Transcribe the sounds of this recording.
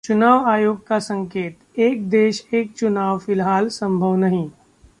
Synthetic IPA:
t͡ʃʊnaːʋaːjoːɡkasə̃ŋkeːt̪eːk̚d̪eːʃeːk̚t͡ʃʊnaːʋfɪlɦaːlsɐ̃mbʱəʋnɐɦĩː

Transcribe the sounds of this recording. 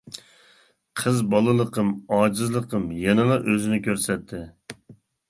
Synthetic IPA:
qʰəzbɑlˠɨlˠəqəmɑːd͡ʒɨzlˠəqʰəmjɛnɨlˠɑʔøzɪnɪkʲʰøɾsɛt̪ʰːɪ

